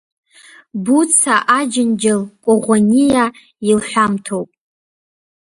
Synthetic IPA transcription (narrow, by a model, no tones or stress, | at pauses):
but͡sʰaʔad͡ʒɪnd͡ʒalkʷʼoʁʷanija | ilħʷᶣamtʰowpʼ